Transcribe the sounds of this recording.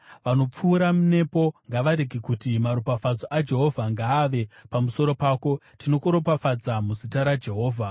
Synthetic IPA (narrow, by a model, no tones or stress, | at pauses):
ʋano̞p͡fuːɾamune̞po̞ŋɡaʋaɾeɡikutimaɾopafad͡zoʔad͡ʒe̞ɦo̞vʱaŋɡaːʋe̞pamuso̞ɾo̞paːko̞ | tino̞kuɾopafad͡zamuzitaɾad͡ʒe̞ɦo̞ːvʱa